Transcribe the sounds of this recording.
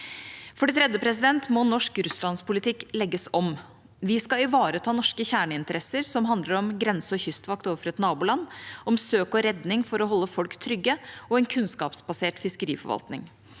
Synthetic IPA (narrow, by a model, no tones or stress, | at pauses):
fɔɖɛt̪ʰɾɛd̪jəpʰɾɛs̬ɪd̪ɛnt̪mɔnɔʂkɾʉslɑnspʊlɪt̪ʰɪkːlɛɡːəsɔm | ʋɪskɑɪʋɑːɾət̪ʰɑːnɔʂkəçæːɳəɪnt̪əɾɛsːəɾsɔmɦɑnd̪ləɾɔmɡɾɛnsəɔçʏst̪ʋɑkt̪oːʋəfɾɛt̪nɑːbuːlɑnːɔmsøːkɔɾɛd̪nɪŋfɔɾɔɦɔlːəfɔlkt̪ʰːɾʏɡːəɔɛːnkʰʉnskɑ̰ːpsbɑseːʈfɪskəɾḭːfɔ̰ɾʋɑ̰lt̪nɪ̰ŋ